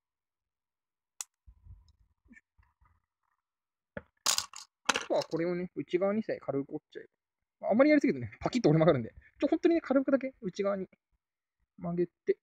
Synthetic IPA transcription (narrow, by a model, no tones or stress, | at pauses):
at̪oβako̞ɾe̞one̞ɯ̟t͡ɕiɡaβaɲ̟isaikʰaɾɯkott͡ɕai | maamːaɾijaɾisɨked̪oepʰakʲit̪ːoɾemakaɾɯ̟̃nd̪e̞̥t͡ɕohõ̞nt̪o̞ɲ̟inekʰaɾɯɯkɯd̪ak̬e̞ɯ̟t͡ɕiɡaβɲ̟i | maɡe̞t̪e̞